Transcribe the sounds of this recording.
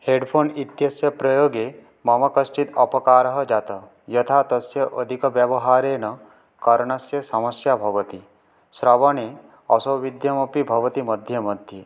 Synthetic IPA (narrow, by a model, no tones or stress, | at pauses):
heɖpʰoːnit̪jɐsjɐpɾɐjoːɡe | mɐmɐkɐsʈit̪ɐpɔkaːɾɐɦɐd͡ʒat̪ɐ | jɐt̪ʰat̪ɐsjɐʔəd̪ʱikɔbjɐbɔɦaɾeːnɐ | kɐɾɳ̃ɐsjɐsɐmɐsjabʱɐʋət̪i | sɾɐʋɐɳe | ɔsowʋid̪ʱjɐmɐpibʱɐʋɐt̪iməd̪ʱjɐməd̪ʱje